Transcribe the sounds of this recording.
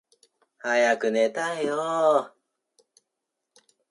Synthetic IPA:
hajakɯ̟net̪ajo

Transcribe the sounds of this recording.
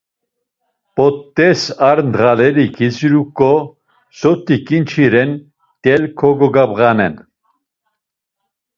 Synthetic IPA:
pʼɔt̪ːɛsaɾnd̪ʁalɛɾikʰisiɾukʼːɔ | sɔt̪ʼikʼint͡ʃʰiɾɛn | t̪ʼɛlkʰɔɡɔɡabʁanɛn

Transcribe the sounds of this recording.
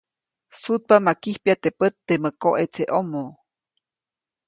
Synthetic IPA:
sut̪̚pamakihpjat̪epət̪ːeməkoʔet͡seʔomo

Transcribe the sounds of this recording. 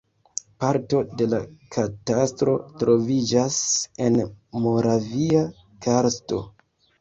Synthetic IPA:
paɾto̞de̞lakʰatastɾo̞tɾo̞vid͡ʒase̞nmo̞ɾavia | kʰaɾsto̞̰

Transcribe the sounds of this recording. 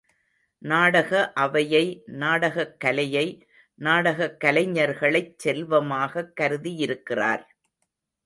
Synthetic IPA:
naːɽɐɣɐʔɐʋɐjɐɪnaːɽɐɣɐkːɐlɐjɐɪ | naːɽɐɣɐkːɐlɐɪɲːɐɾɣɐɭɐɪt͡ʃsɛlʋɐmaːɣɐkːɐɾɯðijɪɾɯkːɪra̰ːɾ

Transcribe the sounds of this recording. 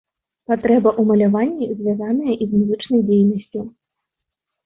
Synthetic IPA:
pat̪ɾɛbɐʔumɐlʲavanʲːizʲvʲjazanɨjɐʔizmuzɨt͡ʂnɐjd͡zʲejnɐsʲt͡sʲu

